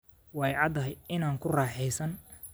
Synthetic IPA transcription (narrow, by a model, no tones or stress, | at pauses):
wɑjʕɑd̪ɐɦɛjɪnaːŋkʰʊraːħɛjsɐn